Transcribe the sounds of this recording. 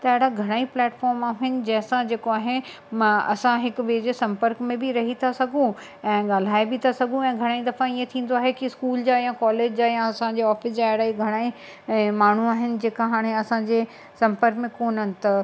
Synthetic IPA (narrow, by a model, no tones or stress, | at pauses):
t̪ɐɪɽaɡʱɐɽ̃aːiplɛːʈfɔːɾmaːɦɪnɪ̆d͡ʑɛːsãd͡ʑeːkoaːɦe | ɐ̰sãɦɪkʊʋeːd͡ʑesɐ̃mpəɾkmẽbɪɾɐɦit̪ʰasɐɡʱũ | ɛ̃ːɠaːl̤aːebɪt̪ʰasɐɡʱũɛ̃ːɡʱɐɽ̃aːid̪ɐfãiẽt̪ʰĩːn̆d̪oaːɦekiɪskuːld͡ʑaːjãkɔːleːd͡ʑd͡ʑaːjãɐsãd͡ʑeɔːfɪsd͡ʑaɪɽaːiɡʱɐɽ̃aːi | maːɳ̤uaːɦɪnɪ̆d͡ʑeːkaɦaːɽ̃eɐsãd͡ʑeː | sɐ̃mpəɾkmẽkoːnənɪ̆t̪ɐ